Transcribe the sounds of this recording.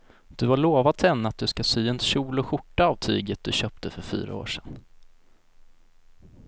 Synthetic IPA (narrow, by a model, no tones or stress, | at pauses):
d̪̥ɵhaɭoːvat̪ʰɛnːat̪̚d̪ɵskasyːɛnɕuːlɔɧʊʈːaavt̪ʰy̰ːɡət̪̚d̪̥ɵɕœːp̚t̪ʰəfœɾfy̰ːɾa̰o̰ːʂɛn